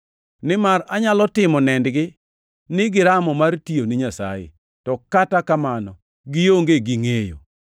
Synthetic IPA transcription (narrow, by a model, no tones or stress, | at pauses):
nɪmaraɲalɔtɪmɔnɛndɡɪ | nɪɡɪɾamɔmartioniɲasa̰jḛ | tɔkatakamanɔ | ɡɪjoŋɡeɡiŋejo̰